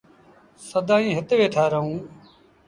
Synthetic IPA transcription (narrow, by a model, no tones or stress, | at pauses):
səd̪aːĩːɦɪt̪ʋeːʈʰaːɾəɦũː